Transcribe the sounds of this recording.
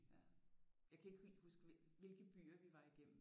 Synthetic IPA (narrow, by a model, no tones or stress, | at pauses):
jɑ̈kʰæe̝ɡ̥husɡ̥ | ʋe̝lɡ̥əb̥y̰ːɐʋiʋɑ̈iɡ̥em̰m̩